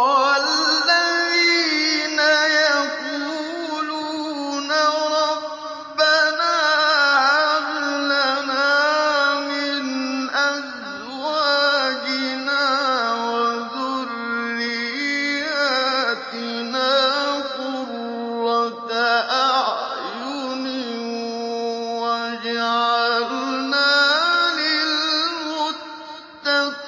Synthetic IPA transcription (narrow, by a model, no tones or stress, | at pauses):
aːaðiːnajak | u | lu | naɾɔ | banaablanamɪnʔa | z | waːd͡ʒiɪnawazʊɾːɪjjaːt̪ɪ | naːfʊɾ | ɑd̪aʔaʕ | jʊ | ni | wad͡ʒaʕʕalnaːlɪlmʊː | a